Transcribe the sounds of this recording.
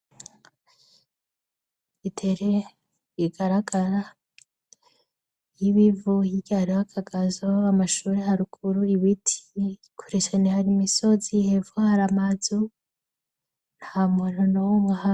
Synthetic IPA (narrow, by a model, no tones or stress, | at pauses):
itʰeɾe | jiɡaɾaɡaɾa | jiβivuhiɟahaɾiwakʰaɡazoamaʃuːɾehaɾukʰuɾuiβitʰi̥kʰu̥ɾesenehaɾimisozihevohaɾamazu | n̥hamononomaha